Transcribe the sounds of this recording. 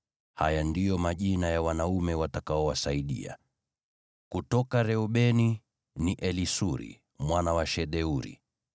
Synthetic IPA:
ha̰jandijɔmaʄinajawanaumɛwatakaɔwasaiɗḭa̰ | kutɔkaɾɛuɓɛni | niʔɛlisuɾḭ | mwanawaʃɛɗɛuɾḭ

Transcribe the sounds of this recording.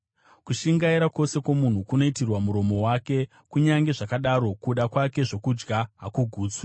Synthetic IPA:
kuʃiŋɡaiɾako̞se̞kwomun̤ukuno̞itirwamuɾo̞mo̞wake̞ | kuɲaŋɡe̞ʐakaɗaɾo̞kuɗakwake̞ʐo̞kud͡ʒɡaɦakuɡʱuːt͡swa

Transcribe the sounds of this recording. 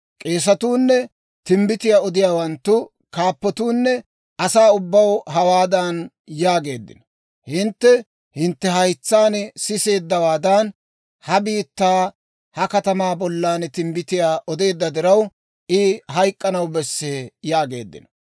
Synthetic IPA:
kʼe̞ːs̬ɐt̪uːnːɛ | t̪ɪmbɪt̪ɪjaːɔd̪ɪjaːwɐnt̪ːʊ | kaːpːɔt̪uːnːɛ | ʔɐsaːʊbːɐwɦɐwaːd̪ɐn | jaːɡe̞ːd̪ːɪ̰nɐ | hɪnt̪ːɛ | hɪnt̪ːɛɦɐjt͡sːaːnɛsɪse̞ːd̪ːɐwaːd̪ɐn | hɐbiːt̪ːaː | hɐkɐt̪ɐmaːbɔlːaːnt̪ɪmbɪt̪ɪjaːʔɔd̪e̞ːd̪ːɐd̪ɪɾɐw | ʔɪɦɐjkʼːɐnɐwbɛsːejaːɡe̞̰ːd̪ːɪ̰nɐ̥

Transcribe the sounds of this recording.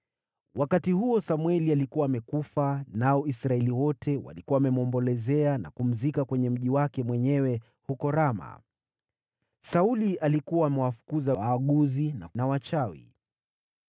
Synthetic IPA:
wakatihuɔsamwɛlialikuwaːmɛkufanaɔisɾaɛliwɔtʰɛwa̰likuwaːmɛmɔmbɔlɛzɛana̰kum̩zikakwɛɲɛm̩ʄiwakɛmwɛɲɛwɛ | hukɔɾama̰ | sauliʔalikuwaːmɛwafu̥kuzawaːɠuzina̰nawat͡ʃawḭ

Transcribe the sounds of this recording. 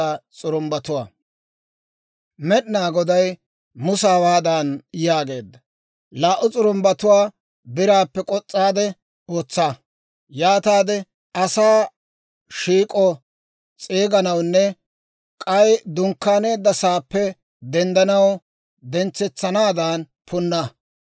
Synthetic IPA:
at͡sʼʊɾʊmbɐt̪ʊwaː | mɛɗɪnaːɡɔd̪ɐj | mʊsaːwaːd̪ɐnjaːɡe̞ːd̪ːɐ | laːʔʊt͡sʼʊɾʊmbɐt̪ʊwaː | bɪɾaːpːɛkʼɔt͡sʼːaːd̪ɛ | o̞ːt͡sːaː | jaːt̪aːd̪ɛ | ɐsaː | ʃiːkʼɔ | t͡sʼeːɡɐnɐwnːɛ | kʼɐjd̪ʊŋkːaːne̞ːd̪ːɐsaːpːɛ | d̪ɛnd̪ɐnɐw | d̪ɛnt͡sːɛt͡sːɐnaːd̪aːn | pʰʊnːɐ

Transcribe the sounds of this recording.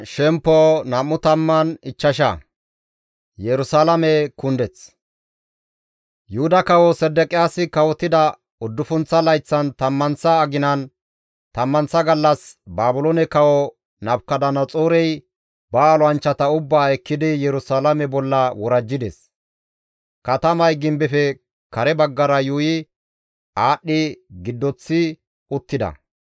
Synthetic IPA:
ʃɛmpːoːnɐmːʊt̪ɐmːɐnɪt͡ʃːɐʃɐ̰ | jɛɾʊsaːlɐmɛkʊnd̪ɛt͡s | jʊhʊd̪ɐkɐwɔsɛd̪ːɛkʼɪjaːsɪkɐwɔt̪ːɪd̪ɐ | ʊd̪ːʊfʊnt͡sːɐlɐjt͡sːɐnt̪ɐmːɐnsɐːɡɪnɐn | t̪ɐmːɐnsɐɡɐlːɐsbaːbʊlɔnɛkɐwɔ | nɐbkɐd̪ɐnɐt͡sʼoːɾɛj | bɐːlɔɐnt͡ʃːɐt̪ɐʊbːaːɛkːɪd̪ɪjɛɾʊsalɐmɛbɔlːɐwɔɾɐd͡ʒːɪd̪ɛ̰s | kɐt̪ɐmɐjɡɪmbɛfɛ | kɐɾɛbɐɡːɐɾɐjuːjɪ | aːɗːɪɡɪd̪ːɔt͡sːɪ | ʊt̪ːɪd̪ɐ̰

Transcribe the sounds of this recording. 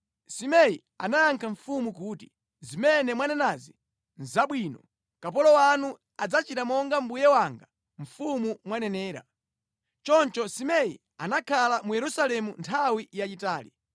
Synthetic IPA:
simɛji | anaaŋkʰaɱfumuk̬uːti̥ | zimɛnɛmwanɛnazi | nzaɓwiːnɔ | kap̬ɔlɔwanu | ad͡zat͡ʃitamɔŋɡam̩bujɛwaŋɡa | ɱ̩fumumwanɛnɛːɾa̰ | t͡ʃɔnt͡ʃɔsimɛḭ | anakʰalamujɛɾusalɛmuntʰawijat͡ʃitaːli

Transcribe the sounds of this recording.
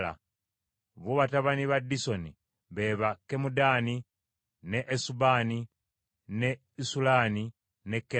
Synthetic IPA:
la̰ | βoβataβaniβadːiso̞ni | βe̞ːβakːemudani | neʔːsubaːni | ne | isulani | nekːe

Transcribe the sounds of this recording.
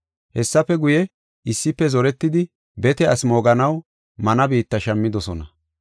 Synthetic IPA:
hɛsːɐpːɛɡʊjɛ | ɪsːɪpːɛzɔɾɛt̪ːɪd̪ɪ | bɛt̪ɛɐsmoːɡɐnɐw | mɐnɐbiːt̪ːɐʃɐmːɪd̪ɔsɔnɐ

